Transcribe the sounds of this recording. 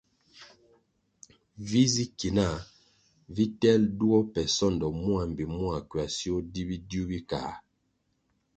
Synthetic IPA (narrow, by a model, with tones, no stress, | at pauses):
vi˦zi˦ki˨na˦˨ | vi˦tɛ˦ldu˦ɔ˦pɛ˨sɔ˦˨ndɔ˨mu˦a˨m˨bi˨mwa˨kɥa˨si˦o˦di˦bi˦du˦bi˦kaː˨